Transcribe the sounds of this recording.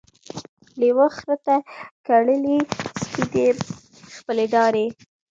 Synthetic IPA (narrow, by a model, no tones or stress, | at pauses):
lewəxɾət̪akaɽəlispid̪e | xpəleɖɑɾe